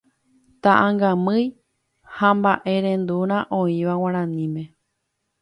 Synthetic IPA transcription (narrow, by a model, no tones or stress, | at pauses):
t̪aʔãŋɡãmɨ̃j | hambaʔe̞ɾẽ̞nd̪uɾ̃ãʔõĩʋaw̃ãɾ̃ãnĩmẽ̞